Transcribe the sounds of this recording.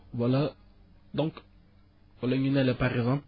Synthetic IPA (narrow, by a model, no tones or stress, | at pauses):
vala | d̪ɔ̃ŋk | valaɲinɛlɛpaʁɛɡzãp